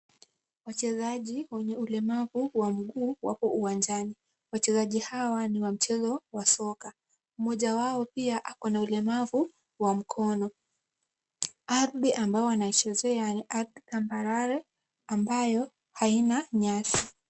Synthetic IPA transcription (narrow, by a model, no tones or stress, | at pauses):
wat͡ʃɛzaʄiwɛɲɛulɛmavuwam̩ɠuːwa̰pɔʔuwand͡ʒani | wat͡ʃɛzaʄihawaniwam̩t͡ʃɛzɔwasɔka | mɔʄawaɔpiaʔakɔnaulɛmavu | wam̩kʰɔnɔ | aɾɗiʔambaɔwanait͡ʃɛzɛaniʔaɾdikambaɾaɾɛ | ambajɔ | hainaɲasi̥